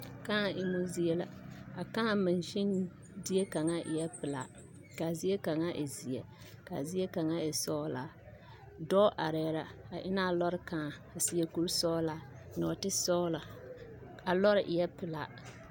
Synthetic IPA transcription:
ka˦˨ʔɪ˨mo˦zi˦ɛ˨la˨a˨kãː˦˨mɪ˨nʃɪ˦n | dɪ˦e˦ka˨ŋa˦ʔɪ̰˨jɛ˦pɪ˨la̰˨˦ | ka˨zi˦e˦ka˨ŋa˦ʔɪ̰˨zi˨jɛ˨ | ka̰˨zi˦e˦ka˨ŋa˦ɪ˨sɔː˦la˨˦ | dɔː˦ʔa˨ɾɛː˨ɾa˨a˨ʔɪ˦na˦˨lɔ˦ɾɪ˦kãː˨a˨si˦jɛ˦ku˦ɾsɔ˦la˨˦ | nɔ̰˨tɪ˦sɔː˦la˨ | a˨lɔ˦ɾɪ˨ʔɪ˨jɛ˦pɪ˨la˨

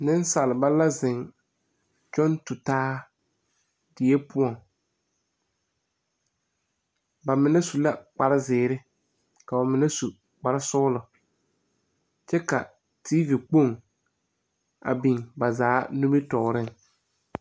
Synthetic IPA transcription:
nɪ˦n˦sa˨lɪ˨ba˦la˦zɪ˨ŋ | t͡ʃɔ˦ntʊ˨taː˦ | dɪ˨jɛ˦pʊ˦ɔ˨ŋ | ba˨mɪ˨nɛ˦su˨la˦k͡pa˨ɾɪ˦zɪː˨ɾɪ˦ | ka˨a˨mɪ˨nɛ˦su˨ | k͡pa˨ɾɪ˦sʊ˦lʊ˨ | t͡ʃɛ˦ka̰˨ | tʰiː˦vi˨k͡po˦˨ŋ | a̰˨bi˨ŋba˨zaː˨˦nu˦mi˦tɔ˨ɣɾɪ˦ŋ

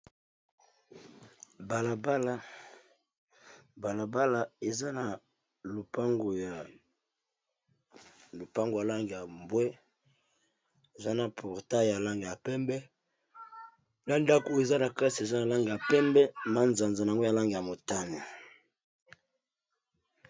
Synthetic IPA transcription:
ba˨la˨ba˦la˦ | ba˨la˨ba˦la˨e˨za˦na˨ | lo˨pa˦ŋɡo˨ja˨ | lo˨pa˦ŋɡo˨ja˨la˦ŋɡi˨ja˨mbwɛ˦ | e˨za˦na˨pʰɔ˨ʁta˦˨ja˨la˦ŋɡi˨ja˨pɛ˦mbɛ˦ | na˦nda˦ko˨e˨za˦na˨ka˦si˨e˨za˦na˨la˦ŋɡe˨ja˨pɛ˦mbɛ˦ma˦nza˨nza˨n˨a˨ŋɡo˦ja˨la˦ŋɡe˨ja˨mo˨ta˦ne˨

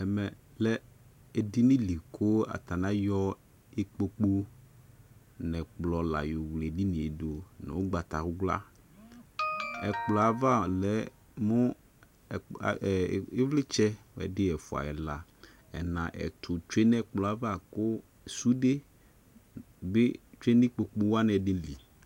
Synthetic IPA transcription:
ɛ˨mɛ˨ | lɛ˦ | e˨di˦nɪ̃˦li˨kʰʊ˦a̰˨t̪a˨nã˦jɔ˦ | e˦k͡po˦k͡po˦ | nɛ̃˨k͡plɔ˨la̰˨jo˨wle˨di˦nĩ˨e˨do˨nɛ̰˨wo˦ɡ͡ba˨t̪a˨ɾʊ˦ɡla̰˦ | ɛ˨k͡plɔ˨a˨va˦˨lɛ˨˦ | mʊ̃˦˨˦ | ɪ˦vlɪ˦t͡ʃɛ˦˨ɛ̰˨dɪ˦ɛ˨fʊ˨a̰˨ɛ˨la˨ | ɛ˨nã˨ʔɛ̰˨t̪ʰʊ˨t͡ʃe˦nɛ˦k͡plɔ˨a˨va˦˨kʊ˦ | su˦dɪ˦ | bɪ˦t͡ʃe˦nɪ˦k͡po˨k͡po˦wa˦nɛ˨dɪ˦li˨

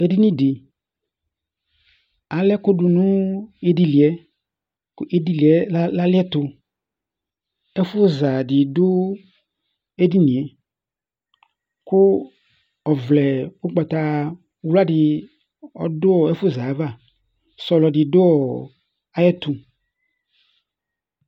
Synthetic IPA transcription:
e˦di˦nĩ˦dɪ˨ | a˨lɛ˦kʊ˦dʊ˨nʊ̃˦e˦di˦li˨ɛ˦ | kʊ˦ʔe˦di˦li˨ɛ˨˦la˦lɪ˦ɛ˦t̪ʊ˧ | ɛ˦fʊ˦za˨dɪ˨dʊ˦ | e˦di˦nĩ˨ɛ˨ | kʊ˦ | ɔ˨vlɛ˨ʊ˦k͡pa˨t̪a˨˦ | wlʊ˦a˦dɪ˨ | ɔ˦dʊ˦ɔ˨ɛ˦fʊ˦za˨˦va˦˨ | sɔ˨lɔ˨dɪ˨dʊ˦ɔ˨ | a˨˦jɛ˦t̪ʊ˨

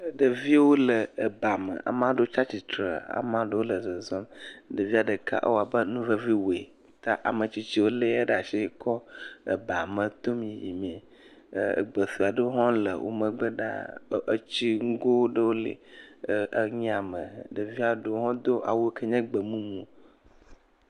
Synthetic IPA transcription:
ɖə˨vi˦wo˦lə˨ə˨ba˨mə̰˨ʔa̰˨mã˦ɖo˦t͡ʃa˦t͡ɕi˨t̪ɾə˨a̰˨mã˦ɖə˦wo˦lə˨zə˨zɔ˦mɖə˨vi˦a˨ɖə˨ka̰˦ʔə̰˦wo˦a˨bə˦nũ˦və˦vi˦wo˨e˨˦t̪a˦ʔa̰˨mə˨t͡ɕi˦t͡ɕi˦wo˦le˦e˦ɖa˨ʃi˦kʰɔ˦ə̰˨ba˨mə̃˨t̪o˦mĩ˦˨jḭ˨mi˨ḛ˨ | ɡ͡bə˨θu˨a˨ɖə˦wo˦ɦɔ̃˦lə̰˨wʔo̰˦mə̃˨ɡ͡bə˦ɖa̰˦ə˦t͡ɕi˦ŋ̩˦ɡo˦ɖə˦wo˦lḛ˨˦ | ɲĩ˦a˨mə̰̃˨ɖə˨vi˦a˨ɖə˦o˦ɦɔ̃˦d̪o˦ʔa̰˨wo˦kʰə˦ɲɛ̃˦ɡ͡bə˨mũ˦mũ˨

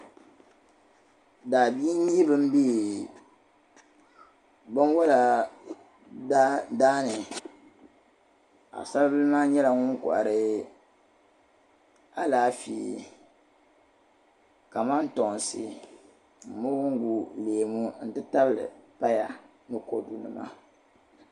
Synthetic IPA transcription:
daː˨bi˦n˦ɲi˦bɨ˦m̩˦bi˦˨ | bɨ˦n˦wa˦la˨˦ | daː˦nɨ˨ | a̰˨sa˦lbɨ˦lɨ˦maː˦ɲɛ˦la˨ŋʊ˦ŋ˦kɔ̰˨ʔa̰˨ɾɨ˦ | a˦laː˦fḭ˨ | ka˨ma˦n˦tɔ˨n˨sɨ̰˨ | m̩˨mʊ˦ɡʊ˦ŋ˦ɡu˦leː˨mu˦n̩˨dɨ˦ta˦bɨ˨lɨ̰˨pa˦ja˨ | nɨ˦ko̰˨du˨nɨ̰˨ma̰˦

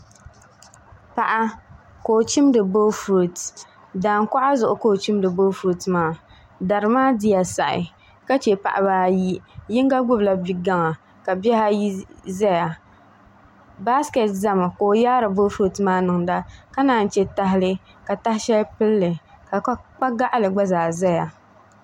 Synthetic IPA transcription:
pa˨ʔa˦ | koː˨t͡ʃi˦mdɨ˨bo˦fu˨t | daː˨ŋka˦ʔa˦zʊ˨ʔʊ˨koː˦˨t͡ʃi˦mdɨ˨bo˦fu˨tmaː˦˨ | da˨ɾɨ˨maː˦di˦ja˨sa˨ʔɪ̰˨ | ka˦t͡ʃe˨pa̰˨ʔa˨baː˨˦ji˦jɪ˦ŋ˦ɡa˦ɡ͡bʊ˦bla˨bi˨ɡa˦ŋa˨ | ka˨bɛ˦ha˦ji˦zɛ˦ja˨ | ba˦ske˨tza˦ma˨koː˨jaː˦ɾɨ˨bo˦fu˨tmaː˦nɨ˨ŋda˦ka˦naː˨n˨t͡ʃɛ˦ta˦ɦɪ˦lɨ˦ | ka˨ta˦hɪ˦ʃɛ˦lpɨ˦lːɨ˨ka˨k͡pa˦ɡa˦ʔa˦lɨ˨ɡ͡ba˦zaː˨za˦ja˨

